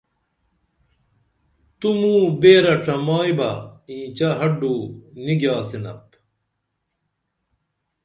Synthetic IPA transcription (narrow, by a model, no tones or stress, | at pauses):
t̪umuːbeːɾɐʈ͡ʂʰɐmaːjbɐ̰ĩːt͡ɕɐɦɐɖuːniɡjaːsinɐ̰p